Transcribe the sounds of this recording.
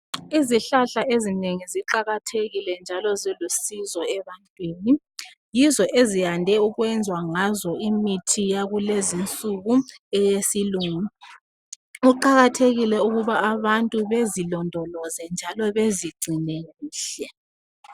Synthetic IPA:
iziɬaɬaezineŋiziǃaɣatʰeɣilɛnd͡ʒʱalɔzilusizɔɛβantʼweːni | jizɔʔezijandʱɛuɣwɛnd͡zʱwaŋazɔimitʰijaɣulezint͡sʼuɣuɛjesiluːŋu | uǃaɣatʰeɣilɛuɣuβaːβantʼuβezilɔndʱɔlɔzɛnd͡ʒʱalɔβeziɡ͡ǀʱinɛɣuːɬɛ

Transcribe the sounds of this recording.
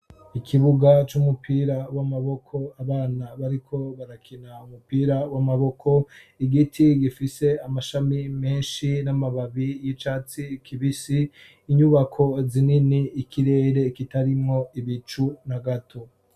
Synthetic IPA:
ikʰiβuɡat͡ʃumupʰiːɾawamaβo̞kʰo̞aβaːnaβaɾikʰo̞βaɾakʰinaumupiːɾawamaβo̞kʰo̞iɡitʰiɡifise̞amaʃamime̞ːnʃinamaβaβijit͡ʃaːt͡sikʰiβisiː | ɲuβakʰo̞zininiːkʰiɾe̞ːɾe̞kitaɾimŋo̞iβit͡ʃunaɡatʰo̞

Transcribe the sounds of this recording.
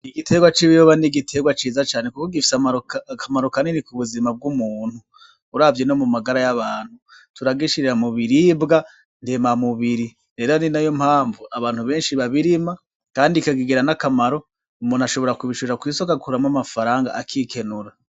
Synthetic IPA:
iɡitʰe̞ɡwat͡ʃiβiɾoβaniɡitʰe̞ɡwat͡ʃiːzat͡ʃaːne̞kukoɡifi̥samaɾokkʰamaɾokaninikuβuzimab̚ɡumuːn̥huː | ɾaːvjeno̞mumaɡaɾajaβaːn̥hu | tuɾaɡiʃiɾeɾamuβiɾibɡa | ndemamuβiɾi | ɾe̞ːɾaninajomhaːɱvuʔaβaːn̥huβe̞ːnʃiβaβiɾima | kaːndikaɡiɡeɾanakamaɾo̞ | umunaʃo̞βo̞ɾakuβiʃuɾakwisokaɡuɾamamafaɾaːŋɡa̰ʔakʰiːkʰe̞nuɾa

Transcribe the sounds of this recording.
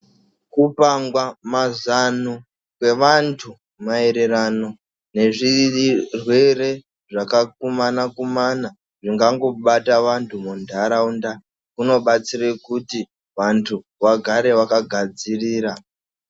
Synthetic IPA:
kupaŋɡwamazanu | kwe̞ʋantʰu | mae̞ɾe̞ɾano̞ | ne̞ʐirwe̞re̞ | ʐakakumanakumana | ʐiŋɡaŋɡo̞ɓataʋantʰumundʱaɾaunda | kuno̞ɓat͡sirekuti | ʋantʰu | ʋaɡʱaɾe̞ʋakaɡʱad͡ziriːɾa

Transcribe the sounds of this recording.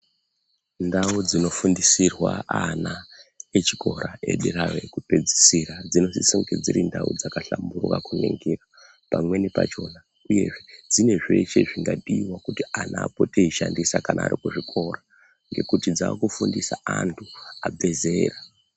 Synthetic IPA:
ndaud͡zino̞fundisirwaanaet͡ʃikʰo̞ɾae̞̰ɗiɾawe̞kupe̞d͡zi̥siɾad͡zino̞sisuŋɡed͡ziɾindaṵd͡zakaɬamburwa̰kuneŋɡira | pamwe̞nipa̰t͡ʃo̞na | uje̞̰ʐed͡zine̞ʐe̞ʃe̞ʐiŋɡaɗiwakutianaːpoteiʃandisakanʔa̰ːrikuʐikʰo̞ra | ŋɡe̞kutid͡zaːkufundisaantʰuabʱe̞ze̞ːra

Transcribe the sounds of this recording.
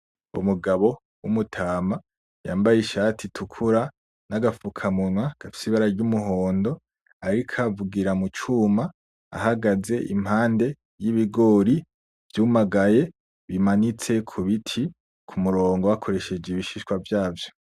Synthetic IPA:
ṵmuɡaβo̞ | wumutʰaːma | jaːmbajiʃaːtʰitʰukʰuɾa | naɡafukʰamunwaɡ̥afi̥siβaɾaɾɟumuɦo̞ːndo̞ | aɾikʰavuɡiɾamut͡ʃuma | a̰haɡaze̞ʔḭm̥haːnde̞ | jiβiɡo̞ːɾi | v̥juːmaɡaje̞ | βimanit͡se̞kʰuβitʰi | kʰumuɾo̞ːŋɡo̞wakʰo̞ɾe̞ʃe̞d͡ʒiβiʃiʃkwavjaːvjo̞

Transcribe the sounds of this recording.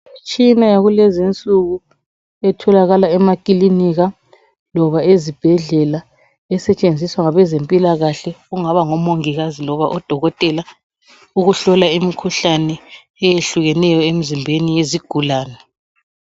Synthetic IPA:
t͡ʃʼinajaɣulɛzint͡sʼuɣu | ɛtʰɔlaɣalaɛmakʼiliniɣa | lɔβaezib̥ʱɛɮɛla | ɛsɛt͡ʃʼend͡zʱiswaŋaβɛzempʼilaɣaɬɛɣuŋaβaŋɔmoŋiɣazilɔβaʔɔd̥ʱɔɣɔtʼɛla | uɣuɬɔlaimikʰuɬanɛ | ɛjeɬuɣɛnɛjɔem̩zimbʱenijeziɡ̥ʱulaːnɛ

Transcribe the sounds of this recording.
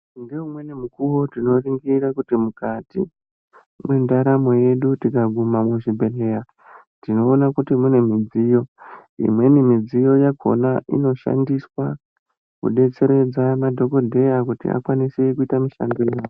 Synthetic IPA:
ndeumwe̞nemukuwo̞tino̞riŋɡirakutimukatḭ | mwendaɾamo̞je̞ɗutikaɡʱumamweʐibʱe̞leja | tino̞ːnakutimune̞mid͡zijo̞ḭmwe̞nimid͡zijo̞jakʰo̞̰naʔḭno̞ʃa̰ndiswa | kṵɗe̞t͡se̞ɾe̞d͡zamadʱo̞ko̞dʱe̞jakutḭa̰kwanisekuitamiʃa̰ndojaːwo

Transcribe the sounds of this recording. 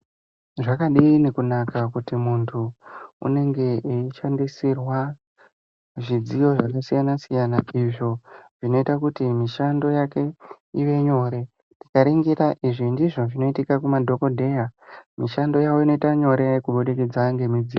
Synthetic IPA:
ʐakaɗiːnekunakakutimuntʰuṵne̞ŋɡe̞eiʃandisirwa | ʐid͡zijo̞ʐakasijanasijanaiʐo̞ʐ̥ino̞itakutimiʃando̞jake̞ | iʋe̞ɲo̞ɾe̞ | ntikaɾiŋɡiɾaʔiʐindiʐo̞ʐino̞itikakumadʱo̞ko̞dʱe̞jamiʃando̞jawo̞ino̞itaɲo̞ɾe̞kuɓoɗeked͡zaŋɡe̞mid͡zio

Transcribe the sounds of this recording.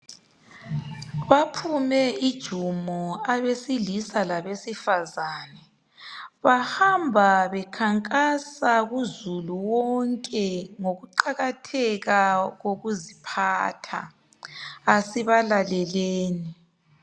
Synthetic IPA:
βapʰumɛid̥ʒ̥ʱumɔaβesilisalaβesifazaːnɛ | βahambʱaβɛkʰaŋkʼasaɣuzuluwɔŋkʼɛŋoɣuǃaɣatʰɛɣaɣoɣuzipʰa̰tʰa̰ | asiβalalɛleːni

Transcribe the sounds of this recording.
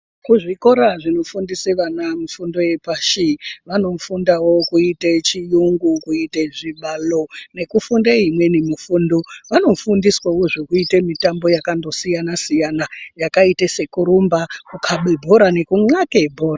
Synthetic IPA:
kuʐiko̞ɾaʐino̞fundiseʋanamufundo̞je̞paʃiʋano̞fundawo̞kuitet͡ʃijuŋɡukuiteʐiɓalo̞ne̞kufundeimwe̞nemufuːndo̞ʋano̞fundiswawo̞ʐokuitemitambo̞jakando̞sijanasijanajakaitese̞kuɾumbakukʰaɓebʱo̞ɾane̞kuŋ͡ǀakebʱo̞ːra

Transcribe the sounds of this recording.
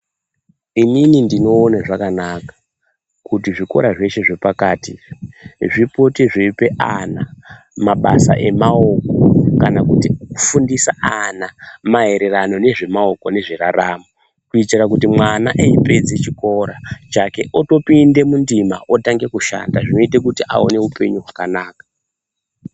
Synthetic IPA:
ininindino̞ːnaʐakanakḁ | kutiʐiko̞̰ɾaʐe̞ʃe̞ʐe̞pakaːti | ʐipo̞tiʐiipe̞ʔana | maɓa̰sa̰ʔe̞maoko̞kanakutiokufundisaʔanamaɦe̞ɾe̞rano̞ne̞ʐe̞mao̞kone̞ʐiraramo | kuitirak̬utimwanaʔeipe̞d͡zet͡ʃiko̞ɾat͡ʃake̞ʔoto̞pinde̞mundimaʔotaŋɡe̞kuʃa̰ndaʐino̞itek̬utiʔa̰o̰ne̞upe̞ɲuɦwakanaːkḁ

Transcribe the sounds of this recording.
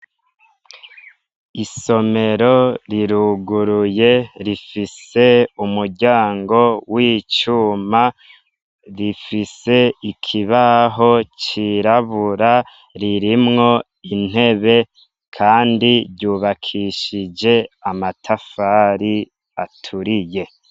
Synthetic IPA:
iso̞me̞ɾo̞ɾiɾuɡuɾuje̞ɾifise̞umuɾɟaːŋɡo̞wiːt͡ʃuːma | ɾifise̞ikʰiβaɦo̞t͡ʃiɾaβuɾa | ɾiɾimŋo̞ | in̥e̞βe̞ | kʰaːndiɾɟuːβakʰiʃid͡ʒe̞amatʰafaːɾi | atʰuɾije̞

